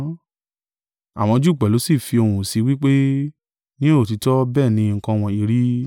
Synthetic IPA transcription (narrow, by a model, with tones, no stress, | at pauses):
a̰˨w̃ɔ̃˧d͡ʒu˦˨k͡pɛ˨lo˨˦si˦˨fi˧o˧hũ˧˨si˨˦wi˦k͡pe˦ | nĩ˦o˦˨ti˨˧tɔ˦bɛː˦˨nĩ˧ŋ̩˨kã˧w̃ɔ̃˧i˧˨ɾi˨˦